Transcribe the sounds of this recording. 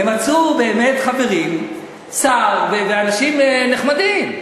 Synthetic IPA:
emat͡sube̞ːmetχaveʁim | t͡saʁveveanaʃimneχmadim

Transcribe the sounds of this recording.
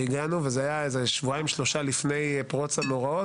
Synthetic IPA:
iɡanuvezeajaezeʃvuaimʃlo̞ʃalifne̞jpʁo̞t͡sano̞ʁao

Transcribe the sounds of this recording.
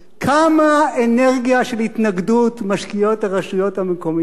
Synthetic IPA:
kʰamaene̞ʁɡijaʃe̞lhit̪naɡdutmaʃkijo̞taʁaʃujo̞thamekomi

